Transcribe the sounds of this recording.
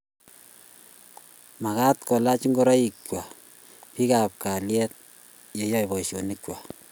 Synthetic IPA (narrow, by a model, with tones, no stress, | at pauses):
ma˨ka˦t̪ko˨la˦t͡ʃi˦ŋɡo˦ɾa˦i˨kwa˨ | pi˦ka˨p̚ka˨ljɛt̪̚ | je˦jɔ˦jβɔ˨iʃjo˨nikwa˨